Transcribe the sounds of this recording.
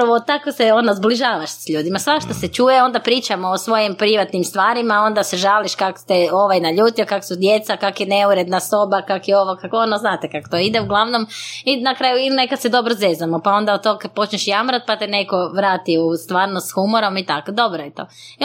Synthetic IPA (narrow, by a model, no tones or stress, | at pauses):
aʋot̪akoseonazbliʒaːʋaʃsʎuːd̪imasʋaʃt̪oset͡ʃuːjeo̞nd̪apɾiːt͡ʃamoosʋo̞jimpɾiʋat̪nimst̪ʋaːɾimao̞nd̪aseʒaliʃkako̥t̪eo̞ʋajnaʎuːt̪iokako̥sud̪je̞t̪sakakojene̞uɾe̞d̪naso̞bakakojeoʋokakonoznaːt̪ekako̥t̪oid̪euɡlˠaʋnominakɾaːjuiline̞kad̪sed̪o̞bɾozezamopao̞nd̪aod̪̚t̪okpo̞t͡ʃɲeʃjamɾat̪̚pat̪ene̞koʋɾaːt̪iust̪ʋaːɾnosxumoɾo̞mit̪akod̪o̞bɾojet̪o̞̰ːi